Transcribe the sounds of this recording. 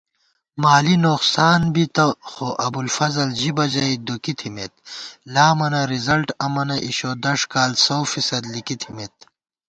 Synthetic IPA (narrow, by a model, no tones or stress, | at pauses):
maːlinoːqsaːnbit̪ɐxoʔɐbulfɐzɐld͡ʑibɐd͡ʑɐid̪ukit̪ʰimet̪̚laːmɐnɐɾizɐlʈɐmɐnɐʔiɕoːd̪ɐʂkaːlsowfisɐd̪likit̪ʰimet̪̚